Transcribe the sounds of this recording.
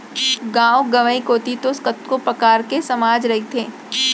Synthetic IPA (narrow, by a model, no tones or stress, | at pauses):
ɡãːoɡɐʋəikoːt̪it̪oskət̪kopɾɐkaːɾkesɐmaːd͡ʒɾɐɦit̪ʰeː